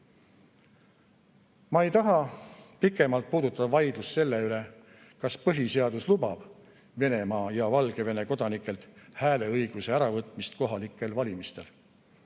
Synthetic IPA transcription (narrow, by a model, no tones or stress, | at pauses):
mɑe̞jt̪ɑɦɑpikːˑe̞mɑlt̪̚puːd̪ut̪ːˑɑd̪ɑvɑjd̪̥lusse̞lːe̞yle̞ | kɑspɤɦise̞ɑd̪uslubɑb̥ | ve̞ne̞mɑːjɑvɑlɡ̥e̞ve̞ne̞ko̞d̪̥ɑnikˑːe̞lt̪hæːle̞ɤjɡ̥use̞æɾɑvɤt̪ˑmist̪ko̞ɦɑlikːˑe̞lvɑlʲimist̪e̞l